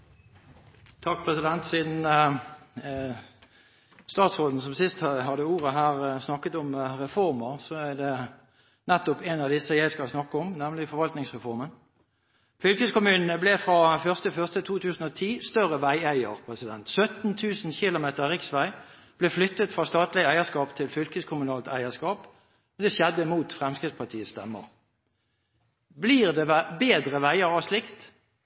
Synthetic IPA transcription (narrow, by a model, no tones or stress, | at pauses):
t̪ʰɑk̚pʰʁɛsɪd̪ɛnt̪siːd̪n̩ | st̪ɑːt̪sʁoːd̪n̩sɔmsɪst̪hɑd̪əuːʁəɦæːʁsnɑkːət̪ɔmʁɛfɔʁməʁsɔæʁd̪ɛ | nɛt̪ːʊpenɑʋd̪ɪsəjæɪskɑlsnɑkːəɔmnæmlɪfɔɾʋɑlt̪nɪŋsʁɛfɔʁmən | fʏlkəskʊmʉːnnəblɛfʁɑːfœʁst̪əfœʁst̪ət̪ʰuːt̪ʰʉːsn̩ɔt̪ʰiːst̪œʁəʋæɪæɪə̰ʁpʰʁɛsɪd̪ɛnt̪sœt̪n̩t̪ʰʉːsn̩çɪlʊmeːt̪əʁʁɪksʋæɪ | b̥lɛːflʏt̪ːət̪fʁɑːst̪ɑːt̪lɪəæɪəskɑːpt̪ʰɪlfʏlkəskʰʊmʉnɑːlt̪æ̰ɪəskɑːp | md̪ɛɕɛd̪ːəmuːt̪fʁɛmskʁɪft̪spɑt̪ʰiːəst̪ɛmːə̰ʁ | bliːʁd̪ɛʋæbeːd̪ʁəʋæɪəɾɑslɪkt̪